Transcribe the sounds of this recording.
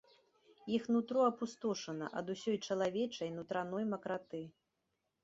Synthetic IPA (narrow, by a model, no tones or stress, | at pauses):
jixnut̪ɾɔɐpust̪ɔʂɐnɐ̰ʔɐd̪usʲɔjt͡ʂɐlˠavʲɛt͡ʂɐjnut̪ɾan̪ɔjmɐkɾat̪ɨ